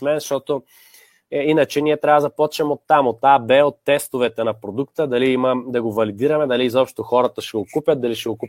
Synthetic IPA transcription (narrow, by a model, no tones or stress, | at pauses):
mɛnzʃt̪ɔt̪o | inɐt͡ʃɛniɛt̪ɾʲavəd̪ɐpɔt͡ʃɛmot̪ːamot̪ːabɛot̪ːɛst̪ovɛt̪ɛnɐpɾod̪ukt̪əd̪ɐliimɐd̪ɐɡovɐlid̪iɾɐmɛd̪ɐliːzɔpʃt̪oxɔɾɐt̪ɐʃɛɡokupʲət̪̚d̪ɐliʃɛɡokup